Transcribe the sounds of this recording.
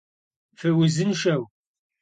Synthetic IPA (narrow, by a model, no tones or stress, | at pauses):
fəwizənʃæw